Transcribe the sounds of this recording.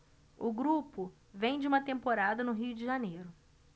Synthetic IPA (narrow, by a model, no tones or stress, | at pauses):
ʊɡɾupʊ | vẽj̃d͡ʒɪũmɐt̪ẽmpoɾad̪ɐnʊɦiʊd͡ʒɪʒanejɾʊ